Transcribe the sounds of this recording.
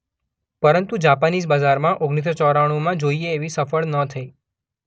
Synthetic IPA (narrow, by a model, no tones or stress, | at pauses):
pəɾənt̪ud͡ʒapanisbazaɾmãʔoɡnit̪̬ɾət͡ʃɔɾaɽ̃õmãd͡ʒoieːʋisəfəɭnət̪ʰəi